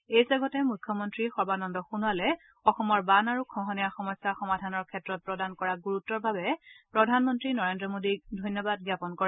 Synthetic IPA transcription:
ejsaɡɔtɛmujkʰjɔmɔntɹixɔɹbanɔndɔxunualɛ | ɔxɔmɔɹbanaɹukʰɔ̃ɦɔnijaxɔmɔjsːaxɔmadʱanɔɹkʰɛtɹɔt̚pɹɔdankɔɹaɡuɹutːɔɹbʱabɛpɹɔdʱanmɔntɹinɔɹendɹɔmodidʱɔjnjɔbad̚ɡjapɔnkɔɹɛ

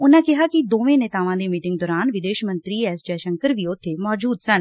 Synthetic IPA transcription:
ʊnãːkɪɦaːkid̪oːʋẽːnɛːt̪aːʋãd̪eːmiːʈɪ̃ŋɡd̪ɔːɾaːnʋɪd̪eːʃmə̃nt̪ɾiːɛːsd͡ʒɛːʃə̃ŋkəɾʋiʊt̪ʰːemɔːd͡ʒuːd̪sən

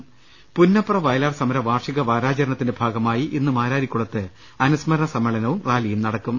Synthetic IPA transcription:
punːɐprɐʋɐjlaːrsɐmɐɾɐʋaːrʂiɣɐʋaːɾaːt͡ɕɐɾɐɳɐt̪ːinde̞bʱaːɡɐmaːjiʔinːɨmaːɾaːɾikʲːuɭɐt̪ːɨ | ɐnusmɐɾɐɳɐsɐmːɐɭɐnɐʋumraːlijumnɐɽɐkːum

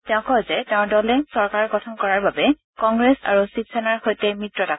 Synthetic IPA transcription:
tɛʊ̃kɔjzɛtɛʊ̃dɔlɛsɔɹkaɹɡɔtʰɔnkɔɹaɹbabɛ | kɔŋɡɹɛsa̰ɹusitsɛnaɹxojtɛmɹitɹɔta

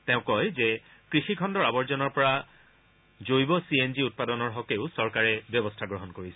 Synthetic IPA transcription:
tɛ̃ʊ̃kɔjzɛ | kɹixikʰɔndɔɹabɔɹzɔnɔɹpɔɹa | zojbɔsienziut̚padɔnɔɹɦɔkeʊsɔɹkaɹɛbjɔbɔstʰaɡɹɔɦɔnkoɹisɛ

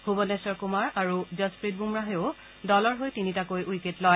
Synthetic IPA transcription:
hubɔnɛsɔɹkumaɹaɹuzɔspɹit̚bumɹaɦeʊ | dɔlɔɹɦojtinitakojʔujketlɔj

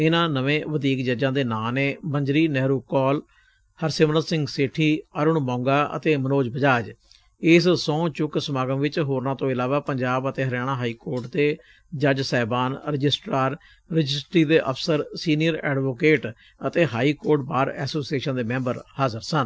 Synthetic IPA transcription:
ɪnãːnəʋẽːʋəd̪iːkd͡ʒəd͡ʒãːd̪eːnãːnẽːbəɲd͡ʒɾiːnɛːɾuːkɔːl | həɾsɪmnəsɪ̃ŋɡseʈʰiːəɾʊɳmɔ̃ːŋɡaːʔə̰t̪eːmənoːd͡ʒbəd͡ʒaːd͡ʒ | ɪssɔ̃ːt͡ʃʊksəmaːɡəmʋɪt͡ʃɦoːɾnaːt̪õːɪlaːʋaːpəɲd͡ʒaːbət̪eːɦəɾɛːɽ̃ãːɦaːiːkoːɾʈd̪eː | d͡ʒəd͡ʒsɛːbaːnɾɪd͡ʒɪsʈɾaːɾ | ɾəd͡ʒɪsʈɾiːd̪eːʔəpʰsəɾsiːnɪjəɾɛ̰ːɖʋoːkeːʈ | ət̪eːɦaːiːkoːɾʈ̚baːɾɛ̰ːsoːsieːʃənd̪eːmɛ̃ːmbəɾhaːzəɾsən

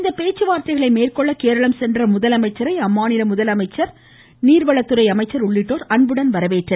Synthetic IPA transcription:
ɪnd̪ɐpeːt͡ʃːɯʋaːɾt̪ɐɪɣɐɭɐɪmeːrkɔɭːɐkeːɾɐɭɐmsɛndrɐmʊðɐlɐmɐɪt͡ʃːɐɾɐɪɐmːaːnɪɾɐmʊðɐlɐmɐɪt͡ʃːɐɾ | niːɾʋɐɭɐt̪ːɯɾɐɪɐmɐɪt͡ʃːɐɾʊɭːɪʈːoːɾɐɳbɯɽɐnʋɐɾɐʋeːʈrɐ

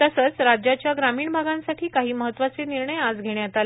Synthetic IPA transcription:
t̪əsət͡sɾad͡ʑjat͡ɕjaɡɾamiːɳbʱaɡãnsaʈʰiːkaɦiːməɦət̪ːʋat͡seniɾɳəjad͡zɡʱeɽjat̪al

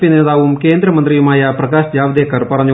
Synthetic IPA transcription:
pineːðaːʋumkeːnd̪ɾɐmɐnt̪ɾijumaːjɐprɐkaːʃd͡ʒjaːʋɐd̪eːkɐɾpɐɾɐɲːu

